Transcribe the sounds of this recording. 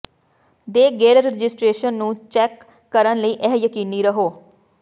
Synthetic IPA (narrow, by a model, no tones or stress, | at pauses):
d̪eːɡeːɾəɾɾɪd͡ʒɪsʈɾeːʃənːũːt͡ʃɛːkː | əɾənləiːʔɛɦjəkiːniːɾəɦoː